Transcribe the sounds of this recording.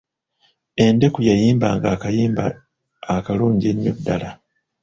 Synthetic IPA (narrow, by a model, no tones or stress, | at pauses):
e̞nde̞kujajiːmbaːŋɡaːkajiːmba̰ː | kaluːɲɟeɲːodːala